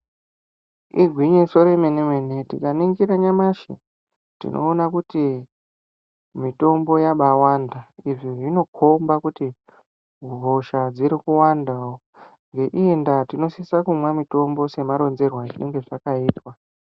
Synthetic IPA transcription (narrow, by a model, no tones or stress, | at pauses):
iɡʱwiɲiso̞ɾemenemwene̞tikaniŋɡiɾaɲamaʃḛ | tḭnʔo̞̰ːnakuti | mito̞mbo̞jaɓawandaiʐiʐino̞kʰombakuti | uβʱoʃad͡ziɾikuwandao | ŋɡe̞ʔiendatino̞sisakumwamito̞mbo̞se̞maɾo̞nze̞rwaʐine̞ŋɡe̞ʐakaiːtwa